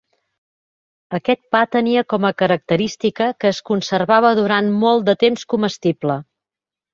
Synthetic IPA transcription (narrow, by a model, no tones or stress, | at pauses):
əkɛt̪̚pat̪əniəkɔməkəɾək̚t̪əɾist̪ikəkəːskunsərβaβəðuɾanmɔlˠd̪ət̪emskuməst̪iblə